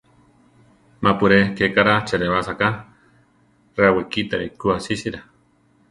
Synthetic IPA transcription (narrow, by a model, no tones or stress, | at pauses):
mapuɾekekaɾat͡ʃeɾeβasaka | reawekit̪aɾekuasisiɾa